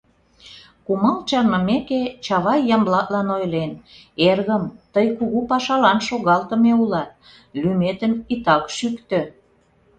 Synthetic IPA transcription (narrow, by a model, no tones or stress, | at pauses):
kumɑlt͡ɕɑnməmeket͡ɕɑβɑjːɑmblɑt̪lɑnojlen | erɣəmt̪əjkuɣupɑʃɑlɑnʃoɣɑlt̪ə̆meulɑt̪̚ | lymet̪əmit̪ɑkʃykt̪ø̆